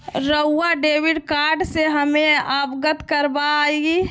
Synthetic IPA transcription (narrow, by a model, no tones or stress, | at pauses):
ɾəɦʊaɖeːʋɪɖkaːɾɖseɦəmẽaːbɡət̪kəɾbaeɡi